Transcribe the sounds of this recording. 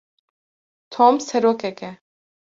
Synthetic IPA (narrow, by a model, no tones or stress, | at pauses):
t̪ʰoːmsɛɾoːkɛkɛ